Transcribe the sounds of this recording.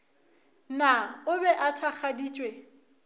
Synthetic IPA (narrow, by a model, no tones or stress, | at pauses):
naʊbɛʔatʰak͡xʰadiːt͡ʃʼwe